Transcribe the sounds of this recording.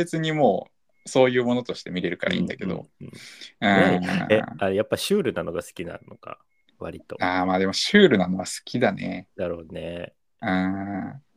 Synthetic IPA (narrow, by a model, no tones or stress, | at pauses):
e̞t͡sɨɲ̟imo̞ː | so̞ːjɯ̟ːmo̞not̪o̞ɕi̥t̪e̞mʲiɾe̞ɾɯ̟kaɾaḭ̃d̪ake̞d̪o̰ɯ̃ːɯ̃eeajapːaɕɨːɾɯ̟nano̞ɡasɨ̥kʲina̰nno̞ka̰ | βa̰ɾʲit̪o̞̰aːmaːd̪e̞mo̞ɕɨːɾɯ̟nano̞βasɨ̥kʲid̪anḛnaɾod̪ne | ɯ̃ː